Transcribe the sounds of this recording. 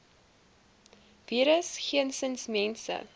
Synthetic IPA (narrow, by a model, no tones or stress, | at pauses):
viːɾəsχiənsənsmɛnsə̰